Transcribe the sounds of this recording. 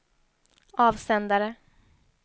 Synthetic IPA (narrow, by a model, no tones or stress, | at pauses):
ɑːvsɛnd̪aɾə